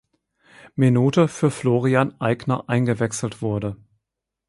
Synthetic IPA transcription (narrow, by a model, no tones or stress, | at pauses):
minuːtəfyːɐfloːʁianʔaɪɡnɐʔaɪnɡəvɛksl̩tv̥ʊɐdə